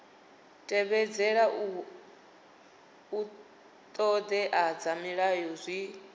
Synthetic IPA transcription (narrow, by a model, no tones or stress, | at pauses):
tʼɛβɛd͡zɛɺa | u | t̪ʼɔd̪ɛʔad͡zamiɺajɔzʷi